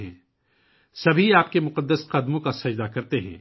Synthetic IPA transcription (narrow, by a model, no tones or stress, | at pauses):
ɦɛ̃ː | sɐbʱiaːp̚kemʊqəd̪ːəsqɐd̪mõkasɐd͡ʒd̪akɐɾt̪eɦɛ̰̃ː